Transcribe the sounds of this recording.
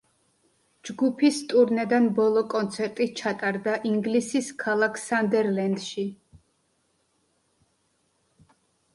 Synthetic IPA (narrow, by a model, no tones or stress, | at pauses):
d͡ʒɡupʰist̪ʼuɾnɛd̪anbɔlˠɔkʼɔnt̪sʰɛɾt̪ʼit͡ʃʰat̪ʼaɾd̪aʔiŋɡlisiskʰalˠakʰsand̪ɛɾlɛnd̪ʃi